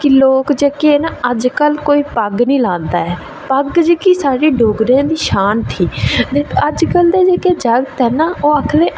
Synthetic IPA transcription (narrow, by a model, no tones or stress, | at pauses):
kɪloːkd͡ʒəkenaəd͡ʒkəlkoːiːpəɡnĩːlãːnd̪aːɛː | pəɡd͡ʒəkiːsaːɽiːɖoːɡɾãːd̪iːʃaːnt̪ʰiːd̪eːəd͡ʒkəld̪eːd͡ʒekeːd͡ʒəɡt̪ɦɛːnaoːəkʰleː